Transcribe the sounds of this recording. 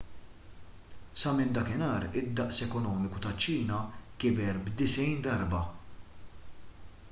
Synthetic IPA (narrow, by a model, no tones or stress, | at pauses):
sɐmɪnd̪ɐkɪnɐːɾɪd̪ːɐʔsɛkɔnɔːmɪkut̪ɐt͡ʃːiːnɐkɪbɛɾbd̪ɪsɛjnd̪ɐɾbɐ